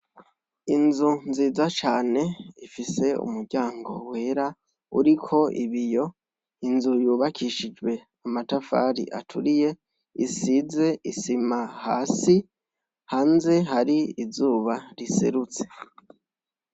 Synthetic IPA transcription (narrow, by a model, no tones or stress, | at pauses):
inzunziːzat͡ʃaːne̞ifise̞ṵmuɾɟaːŋɡo̞̰we̞ɾa | ṵɾikʰo̞ʔḭβijo̞ | inzujuːβakʰiʃid͡ʒwe̞ | amatafa̰ɾḭʔa̰tʰuɾije̞ | isize̞ʔisimahaːsi | haːnze̞ɦaɾiizuːβaɾisḛɾut͡se̞̥